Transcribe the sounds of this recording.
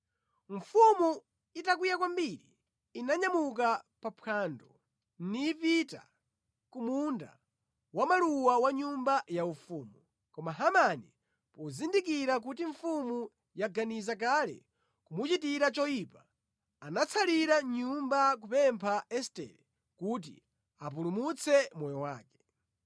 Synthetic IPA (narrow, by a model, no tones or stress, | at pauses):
ɱ̩fumu | itakwijakwambiɾiː | naɲamuk̬apapʰaːndɔ | nipita̰ | kumunda̰ | wamaluwawaɲumbajaufuːmu | kɔmaɦamani | pɔzindikiɾak̬utiɱfumu | jaɡanizak̬alɛ̰ | kumut͡ʃitiɾat͡ʃɔjipa | anat͡sʰaliɾaɲumbak̬upɛmpʰaɛstɛ̰lɛ | kut̬ḭ | apulumut͡sʰɛmɔjɔwaːkɛ̥